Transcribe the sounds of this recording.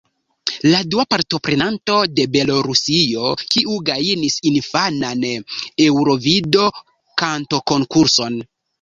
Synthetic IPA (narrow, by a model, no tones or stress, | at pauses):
laduapaɾto̞pɾe̞nanto̞de̞be̞lo̞ɾusio̞kiʔuɡajinisinfanane̞wɾo̞vido̞ | kanto̞ko̞ŋkuɾso̞n